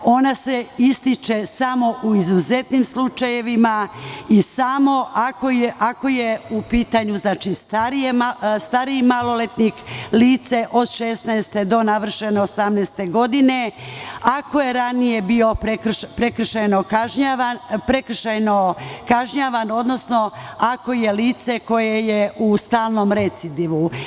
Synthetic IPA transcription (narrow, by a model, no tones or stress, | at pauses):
o̞naseist̪it͡ʃesamo̞ʔuizuze̞t̪nimslut͡ʃaje̞ʋimaisamo̞ʔako̞jeʔako̞je̞upiːt̪aɲuznat͡ʃist̪aɾijemast̪aɾiimalo̞let̪nikliːt̪se̞ʔo̞d̪ʃesnaest̪e̞d̪o̞naʋr̩ʃeneosamnɛːst̪e̞ɡo̞d̪ine̞ako̞je̞ɾanije̞bio̞pɾekʃpɾekr̩ʃajnokaʒɲaapɾekr̩ʃajnokaʒɲaʋano̞d̪no̞sno̞ako̞je̞liːt̪se̞ko̞je̞jeʔust̪aːlˠno̞ːmɾet̪sid̪iʋu